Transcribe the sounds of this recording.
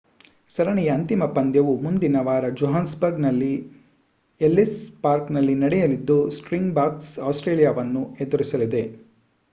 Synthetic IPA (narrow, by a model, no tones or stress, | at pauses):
sɐɾɐɳijɐːnt̪imɐpɐnd̪jɐʋumund̪inɐʋaːɾɐd͡ʒoɦaːnsbɐɾɡnɐlːi | elːispaːɾknɐlːinɐɽɛjɐlid̪ːusʈɾiŋɡbaːksaːsʈɾeːlijaʋɐnːued̪uɾisɐlid̪e̞